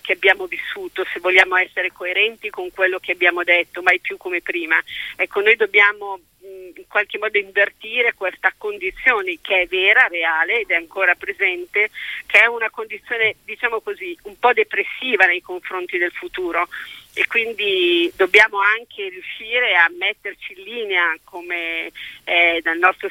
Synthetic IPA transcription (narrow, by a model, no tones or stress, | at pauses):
k̟eabːjaːmovisːuːt̪osevːoʎːjaːmoɛsːeɾekoeɾɛnt̪ikoŋkwelːok̟eabjaːmod̪et̪ːomajpjukːomepɾiːmaɛkːonojd̪obːjaːmo | iŋkwalk̟emːɔːd̪oiɱvert̪iːɾekwest̪akond̪it̪sːjoːnekeɛvːɛːɾaɾeaːleːd̪ɛaŋkoːɾapɾezɛnt̪ek̟eɛunakond̪it̪sːjoːned̪it͡ʃaːmokoziumpɔd̪epɾesːiːvanejkoɱfɾont̪id̪elfut̪uːɾoekːwind̪id̪obːjaːmoaŋk̟ʰerjuʃːiːɾeamːɛt̪ːert͡ʃiːnliːneakome | ɛd̪alnɔst̪ɾo